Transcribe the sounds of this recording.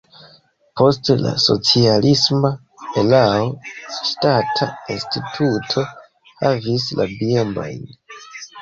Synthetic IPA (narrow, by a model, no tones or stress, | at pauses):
po̞stla̰so̞̰t͡sialisma | elaoʃtatʰainstitʰutʰo̞ | havis̬lʔa̰biombo̰jn